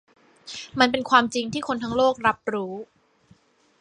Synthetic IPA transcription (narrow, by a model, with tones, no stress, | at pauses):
ma˧np̬e˧nkʰwaː˧mt͡ɕi˧ŋt̪ʰiː˥˩kʰo˧nt̪ʰaː˦˥ŋloː˥˩k̚ɾa˦˥p̚ɾuː˦˥